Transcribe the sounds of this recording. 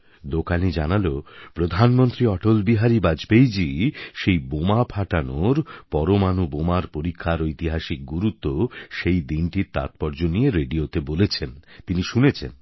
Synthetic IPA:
d̪okanid͡ʑanalopɾod̪ʱanmont̪ɾiɔʈolbiɦaɾibad͡ʑbejd͡ʑiʃejbomapʰaʈanoɾpɔɾomanubomaɾpoɾikʰːaɾojt̪iɦaʃik̚ɡuɾut̪ːoʃejd̪inʈiɾt̪a̰t̪̚pɔɾd͡ʑonieɾeɖiot̪ebolet͡ɕʰent̪iniʃunet͡ɕʰḛn

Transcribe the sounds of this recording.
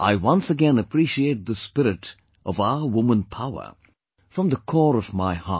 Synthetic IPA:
ʔa̰ɪwʌ̃nsɨɡɛ̃nɨpʰɹ̥iʃieɪt̪̚ðəspɪɾɨɾ | ʔʌvaʊə˞wʊmə̃npʰaʊə̰˞ | fɹʌ̃mðəkʰɔɹʌvmaɪhɑ̰

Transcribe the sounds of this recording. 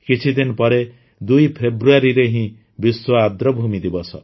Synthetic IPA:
kit͡ʃʰid̪inɔpɔɾe | d̪ujpʰebɾuaɾiɾeɦĩ | biswɔad̪ɾɔbʱumid̪ibɔsʰɔ

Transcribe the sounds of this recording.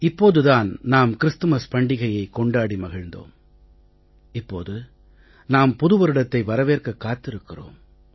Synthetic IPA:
ɪpːoːðɯðaːnnaːmkɪɾɯst̪ɯmɐspɐɳɖɪɣɐjɐɪkːɔɳɖaːɽimɐɣɐɻnd̪o̰ːm | ɪpːo̰ːðɯ | naːmpʊðɯʋɐɾɯɽɐt̪ːɐɪʋɐɾɐʋeːrkɐkːaːt̪ːɪɾɯkːɪro̰ːm

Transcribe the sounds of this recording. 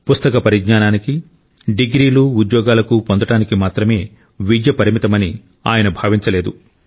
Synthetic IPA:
pust̪ɐkɐpɐɾiɡɲaːnaːniki | ɖiɡɾiːluud̪jɔːɡaːlɐkupond̪ɐʈaːnikimaːt̪ɾɐme̞ː | ʋid͡ʒjɐpɐɾimit̪ɐmɐni | a̰ːjɐnɐbʱaːʋiɲt͡ʃɐle̞ːd̪u

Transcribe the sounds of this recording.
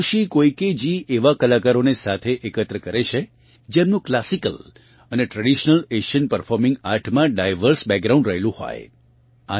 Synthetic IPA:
ʃikoiked͡ʒiʔeʋakəlakaɾonesat̪ʰeʔekət̪ɾəkəɾet͡ʃʰe | d͡ʒemnũklasikəl | əneʈɾəɽiʃnəleʃənpəɾfʰɔɾmɪ̃ŋɡaɾʈʰmãɖajʋəɾsbɛɡ̚ɡɾaũɳɖɾəɦelũho̰j̰ | a

